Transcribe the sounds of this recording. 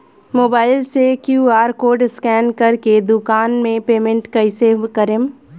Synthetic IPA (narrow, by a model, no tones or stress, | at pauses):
moːbaːɪlsekjuːaːɾkoːɾɖskɛːnkɐɾked̪ʊkaːnmẽpeːmẽɳʈkɐɪseʋkɐɾeːm